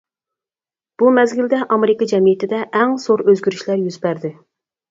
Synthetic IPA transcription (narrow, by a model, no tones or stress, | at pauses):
b̥umɛzɡʲild̪ɛʔɑmeɾɪkɑd͡ʒɛmijɪt̪ʰɪd̪ɛʔɛŋsoɾøzɡʲyɾyʃlæɾjyzbæɾd̪ɪ